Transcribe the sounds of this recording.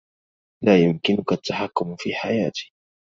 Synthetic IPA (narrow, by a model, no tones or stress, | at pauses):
laːjʊmkɪnʊkat̪ːaħakːʊmfiːħajaːt̪ɪ̥